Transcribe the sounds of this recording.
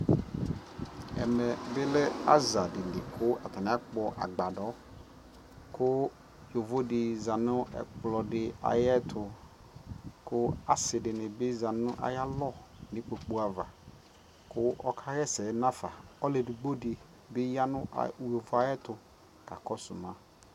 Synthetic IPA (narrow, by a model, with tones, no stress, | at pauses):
ɛ̰˨mɛ˨bɪ˦lɪ˦a̰˦za˨dɪ˨nɪ˨kʰʊ˦a˨tʰa˨n˨a˦k͡pɔ˨ʔa̰˨ɡ͡ba˨dɔ˨˦ | kʰʊ˦ | jo˨vo˦dɪ˨za˨nʊ̃˦ɛ̰˨k͡plɔ˨dɪ˨a̰˨jɛ˦tʰʊ˨ | kʰʊ˦a˨sɪ˨dɪ˨nɪ˨bɪ˦za˨nʊ̃˦ʔa̰˨ja˦lɔ˦˨nɪ˨˦k͡po˨k͡pu˦a˨va̰˨ | kʰʊ˦ʔɔ˦kʰa˦ɣɛ˦sɛ˨˦nã˦fa˨ɔ˦le˨dɪ˨ɡ͡bo˦dɪ˨ | bɪ˦ja˦nʊ̰̃˦˨jo˨vʊ˨˦a˨jɛ˦tʊ˨ | ka˨kɔ˦sʊ̰˨mã˦